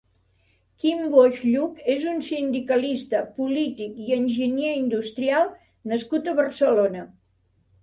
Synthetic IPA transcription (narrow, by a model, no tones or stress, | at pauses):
kimboʒʎukezunsind̪ikəlist̪əpulit̪ikiənʲʒəneind̪ust̪ɾialˠ | nəskut̪əβərsəlonə